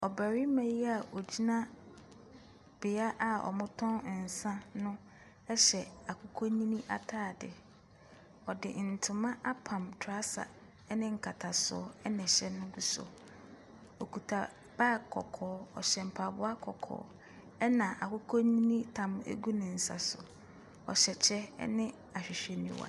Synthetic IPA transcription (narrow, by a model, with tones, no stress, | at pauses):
ɔ˨bæ˨ɾi˦mɛ̃˨ji˦a˨ʔɔ˨d͡ʑi˦nã˦ | b̥ɪ˨a˦ʔa˨ɔ̰˨mʊ̃˦tʰɔ̃˦n˨n̩˨sã˦nʊ̃˦ | ɛ˦ɕɛ˨a˨kʰʊ˦kʰɔ˦ɲĩ˦nĩ˦ʔa̰˨tʰaː˦˨dɪ̰˨ | ɔ˨dɪ˨n̩˨tʰʊ˨mã˦ʔa˦pʰã˨mtʰʊ˨a˦sa̰˨˦ | nɪ̃˦ŋ̩˨kʰa˨tʰa˨sʊ̰˨ɔ˦ɛ˦nɛ̃˨ɕɛ˦nʊ̃˦ɡu˦sɔ̰˨ | ɔ˨kʰu˨tʰa˨ | b̥aː˦˨kʰɔ˨kʰɔː˨˦ɔ̰˨ɕɛ˨m̩˨pʰa˨bʊ˦a˦kʰɔ˨kʰɔ̰ː˦ | ɛ˦nã˨ʔa˨kʊ˦kʰɔ˦ɲĩ˦nĩ˦tʰã˨m˦ḛ˦ɡu˦nʊ̃˨n̩˨sa̰˨sʊ̰˨ | ɔ̰˨ɕɛ˨t͡ɕʰɛ˦nɪ̃˦ | a˨ɕᶣɪ˨ɕᶣɛ˨nḭ̃˦wa̰˨